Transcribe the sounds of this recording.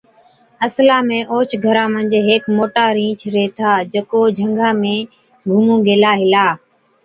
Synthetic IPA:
əslaːmẽːʔoːt͡ʃɡʱəɾãːmə̃nd͡ʒeːɦeːkmoːʈaːɾĩːt͡ʃʰɾeːt̪ʰaːd͡ʒəkoːd͡ʒʱəŋɡãːmẽː | ɡʱumũːɡeːlaːɦɪlaː

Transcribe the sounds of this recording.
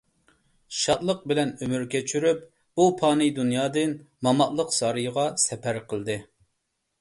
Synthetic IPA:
ʃɑt̪lˠəq̚bɪlɛnømyɾkʲʰet͡ʃʰyɾyp̚ | upʰɑːnɨd̪unjɑːd̪ɨn | mɑmɑʔlˠəqsɑɾɨjʁɑsɛpæɾqʰəlˠd̪ɨ

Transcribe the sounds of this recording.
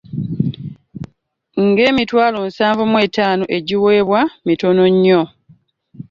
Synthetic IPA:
ŋɡe̞ːmitwaːlo̞n̩saːɱvumwe̞ːtaːnoʔe̞ɟiwe̞ːβwamito̞no̞ɲːo̞

